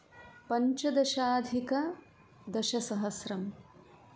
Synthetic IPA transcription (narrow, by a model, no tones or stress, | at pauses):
pɐɲt͡ʃɐd̪ɐʃaːd̪ʱikɐ | d̪ɐʃɐsɐɦɐsɾɐm